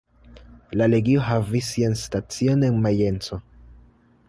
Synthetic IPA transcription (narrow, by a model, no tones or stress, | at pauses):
laleɡioɦavisːianstat͡sionenmajent͡so